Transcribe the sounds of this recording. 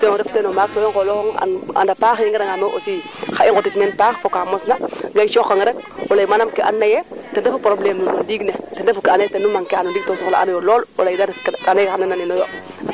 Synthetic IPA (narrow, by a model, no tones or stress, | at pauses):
teɾeftenomak̚tojoŋkolooŋa̰na̰ndapaxinŋɡadaŋamoʔosi | xaiŋɡotitmenpaxfokamosnaɡajt͡ʃoxaŋɾek̚olaimanamkiʔa̰nːajetendefupoɾobleunundiɡnetndefukianajetenumaŋkeanadik̚tosoxla̰a̰najolololaidakkanekxanananinojo